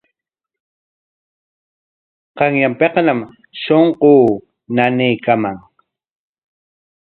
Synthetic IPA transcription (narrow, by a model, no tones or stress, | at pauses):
qɑŋjampeqnam | ʃoɴqoː | nanɪjkamaŋ